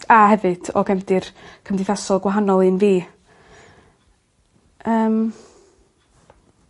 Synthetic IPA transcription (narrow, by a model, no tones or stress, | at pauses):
aɦɛvɨd̥ɔ̰ɡɛmdɨrkʰəmdɪθasɔlˠɡwaɦanɔlˠɨnviː | əːm